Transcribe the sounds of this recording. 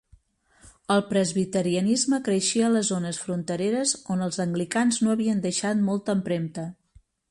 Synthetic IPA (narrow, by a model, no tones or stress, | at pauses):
əlˠpɾəzβit̪əɾiənizməkɾəʃiələzonəsfɾunt̪əɾeɾəzonəlˠzəŋɡlikanznoəβiənd̪əʃat̪mɔlˠt̪əmpɾemt̪ə